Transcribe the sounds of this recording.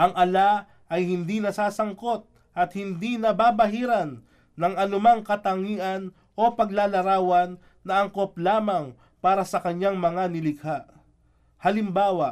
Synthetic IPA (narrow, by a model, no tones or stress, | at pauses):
ʔɐŋʔɐla | ʔɐjhɪnd̪inɐsaːsɐŋko̞t̪̚ | ʔɐt̪̚hɪnd̪inɐbaːbɐɦiːɾɐnː | ɐŋɐnʊmaŋkɐt̪ɐŋiːʔɐn | ʔo̞pɐɡ̚laːlɐɾaːwɐnː | ɐɐŋkop̚laːmɐŋ | paːɾɐsɐkɐɲːaŋmɐŋanɪlɪkʰaʔ | hɐlɪmbaːwɐʔ